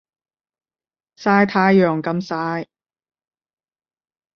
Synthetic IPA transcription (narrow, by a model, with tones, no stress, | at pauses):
saː˧˥jt̪ʰaː˧jːœː˨ŋkɐ˧msaː˧˥j